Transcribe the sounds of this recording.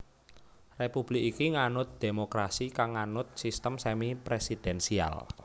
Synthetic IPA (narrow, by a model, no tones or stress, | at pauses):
repub̥lɪkikiŋanʊt̪̚d̪̥emokɾasikaŋːanʊt̪̚sist̪əmsɛmipɾesid̪̥ɛnsia̰l